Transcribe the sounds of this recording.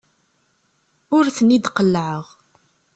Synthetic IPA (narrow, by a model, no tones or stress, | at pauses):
ʊɾθənid̪qəlːʕəʁ